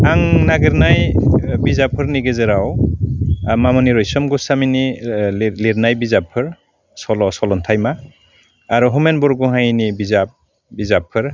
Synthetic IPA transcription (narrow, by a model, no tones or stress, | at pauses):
aŋnaɡɯɾnajbizapʰːɯɾniɡezɯɾaw | mamɔniɾɔjsɔmɡusamini | liɾnajbizapʰːɯɾ | sɔlɔsɔlɔntʰajmaː | ɾuɦumenbɔɾɡuɦajnibizap̚ | bizapʰːɯɾ